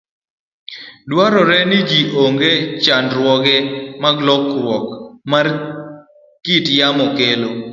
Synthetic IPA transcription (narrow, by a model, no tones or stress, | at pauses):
dwaɾɔɾɛnɪd͡ʒiʔoŋɡet͡ʃandɾwɔɡɛmaɡlɔkɾwɔkmar | kitjamɔkelo